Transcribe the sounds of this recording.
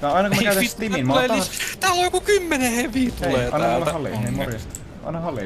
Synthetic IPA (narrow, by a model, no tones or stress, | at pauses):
jɑɑˑinɑkumækæyt̪æiminmɑlet̪ɑist̪æːlojokukymːeneheʋiːt̪ueleːɑ̰inɑolhɑlːḭnemorjɑst̪ | ɑ̰ˑinɑhɑlːḭ